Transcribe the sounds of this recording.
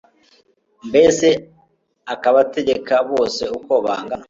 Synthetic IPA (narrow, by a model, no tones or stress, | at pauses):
mbe̞se̞ | akaβate̞ɟe̞kaβo̞ːse̞uko̞βa̰ːŋɡana